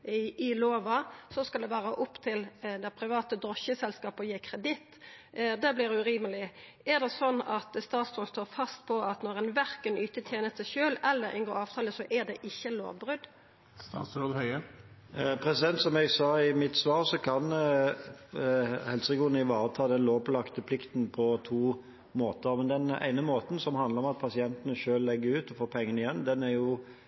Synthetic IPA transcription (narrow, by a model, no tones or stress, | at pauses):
ɪloːʋɑsɔskɑld̪ɛʋæːʁəʔʊpːt̪ʰɪld̪ɛpʰɾɪʋɑːt̪əd̪ʁɔçəsɛlskɑːpɔjeːkʰɾɛd̪ɪt̪ːd̪ɛblɪːɾʉʁiːməlɪ | æʁd̪ɛsɔnːɑt̪st̪ɑːt̪st̪ʰoːlst̪oːɾfɑst̪pʰɔɑt̪nɔʁɛnʋæʁkənyːt̪ət̪ʰjeːnəst̪sæɪʃøːlɛlːəɾʔɪ̰ŋɡoːɑːʋt̪ʰɑːləsɔʔæd̪ɛʔɪçːəlo̰ːʋbɾʉd̪ | solhœʏə | pʰɾɛsɪd̪ɛnt̪sɔmɛɡsɑːɪmɪt̪sʋɑːʁsɔkʰɑn | hɛlsəɪɡuːʁənɪʋɑːʁət̪ʰɑːd̪ɛnloːʋlɑkt̪əpʰlɪkt̪npʰɔt̪ʰuː | moːt̪əɾmɛnd̪ɛnæ̰ɪnəmoːt̪n̩sɔmhɑnd̪ləɾɔmɑt̪̚pʰɑsɪɛnt̪ənəʃøːllɛɡːəʉːt̪ɔfoːpʰɛŋːənɪjɛnːd̪ɛnæɾjʊ